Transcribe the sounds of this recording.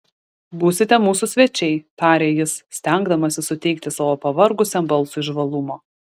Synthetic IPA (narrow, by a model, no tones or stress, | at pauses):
buːsʲɪt̪ʲɛmuːsʊsʲʋʲɛt͡ʃʲɛɪt̪ɑːɾʲeːjɪssʲt̪ʲæŋɡd̪ɐmɐsʲɪsʊt̪ʲɛɪk̚t̪ʲɪsɑːʋoːpɐʋɐɾɡʊsʲɛmbɐlˠsuɪʒʋɐlˠʊmoː